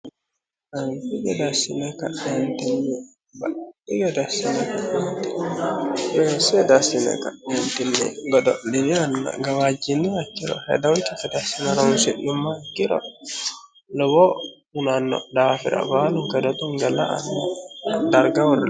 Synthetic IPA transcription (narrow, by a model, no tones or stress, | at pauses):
atiɡɛdasinaka̰ɗɛntɛnːɛ | baɗiɡɛdasinakaɗɛntɛ | bɛsɛdasina̰kaɗɛntinːɛ̰ɡɔdɔ̰ʔdinianːa̰ɡawad͡ʒinːiwakːiɾɔ̰hɛ̰dawtifɛdasinaɾansiɗumːakːiɾɔ̰ | lɔbɔ | unanːɔ̰dafḭɾa̰baluŋkadɔt̪uŋɡalaa̰nːɔdaɾɡawɾ